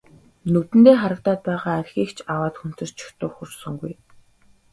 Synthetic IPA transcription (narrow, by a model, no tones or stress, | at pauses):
nɵt̪ɘ̆nt̪eːχaɾə̆k̚t̪aːt̪̚pæːʁaːærʲxʲiːkt͡ɕʰawaːt̪xun̥t̪ɵ̆r̥t͡ɕʰʊ̥xt̪ʊ̆xursɵ̆ŋɡuj